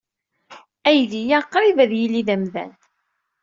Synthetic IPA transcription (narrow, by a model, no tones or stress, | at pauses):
æjðijæqːɾivæðjilːiðæmðæ̰n